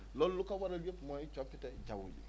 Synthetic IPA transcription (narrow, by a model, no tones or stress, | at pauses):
lɔlulukawaɾalujekũmãet͡ʃɔpɛtɛd͡ʒawo̰lḛ